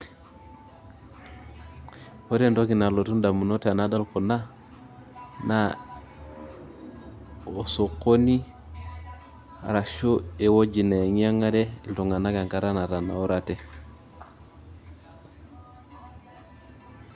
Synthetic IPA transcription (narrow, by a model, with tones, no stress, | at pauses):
wo˦ɾe˦ndo˦ki˨na˨lo˨tu˦nda˨mu˨no˦te˨a˨na˦da˦lko˨na˦ | na˦ | o˨so˨ko˦ni˦˨ | ɾa˨ʃo˦e˨wo˦d͡ʒi˨ne˨ŋ˦a˦ŋɡa˦de˦i˨ltu˨ŋɡa˨na˦ka˨ŋka˦ɾa˦na˨ɾa˨na˨o˦ɾa˦te˨